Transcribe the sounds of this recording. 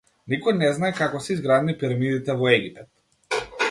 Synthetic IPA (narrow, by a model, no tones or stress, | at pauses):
nikɔjnɛznaɛkakɔsɛizɡɾad̪nipiɾamid̪it̪ɛvɔɛɡʲipɛt̪